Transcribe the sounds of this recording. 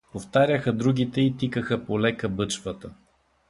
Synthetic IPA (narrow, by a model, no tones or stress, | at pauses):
poft̪aɾʲəxəd̪ɾuɡ̟ʲit̪ɛit̪ikəxəpolɛkəbɤt͡ʃvət̪ə